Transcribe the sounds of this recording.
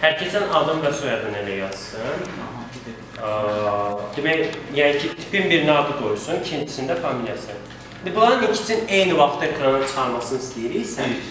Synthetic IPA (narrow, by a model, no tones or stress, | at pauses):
hæɾcʰesænad̪ɯmbɛsojad̪ɯnelʲɛjaz̥sɯn | d̪̥imɛjancʰit̪ʰi̥pimbiɾnaːd̪ɯɡojusuncʰint̪ʰi̥sind̪ɛfamilʲjasɯn | ind̪ibulˠaɾɯnicʰi̥t͡ʃʰinejnivaxt̪ʰːaekʰɾanat͡ʃʰɯ̥xaɾmasɯnist̪ʰiɾijsæ